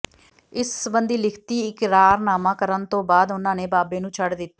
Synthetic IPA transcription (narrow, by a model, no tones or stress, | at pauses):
ɪsbənd̪iːlɪkʰt̪iːɪkɾaːɾnaːmãːkəɾənt̪õːbaːd̪ʊnãːneːbaːbeːnũːt͡ʃʰəɖd̪ɪt̪ː